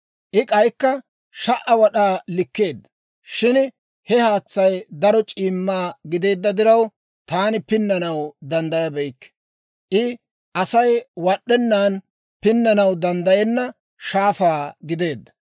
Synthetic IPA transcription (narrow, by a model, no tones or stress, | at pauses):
ʔɪkʼɐjkːɐ | ʃɐʔɐwɐɗaːlɪkːe̞ːd̪ːɐ̥ | ʃɪn | hɛhaːt͡sːɐjd̪ɐɾɔt͡ʃʼiːmːaːɡɪd̪e̞ːd̪ːɐd̪ɪɾɐw | t̪aːnɪpɪnːɐnɐwd̪ɐnd̪ɐjɐbɛjkː | ʔɪ | ʔɐsɐjwɐɗːɛnːaːn | pɪnːɐnɐwd̪ɐnd̪ɐjɛnːɐ | ʃaːfaːɡɪd̪e̞ːd̪ːɐ̥